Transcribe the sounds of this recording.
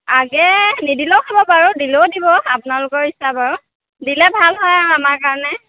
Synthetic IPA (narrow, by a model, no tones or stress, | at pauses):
aɡɛnidilowkʰɔbɔpaɹʊdilowdibɔapʊnalʊkɔɹisabaɹʊ | dilɛbʱalɦɔjaɹamaɹkaɹɔnɛ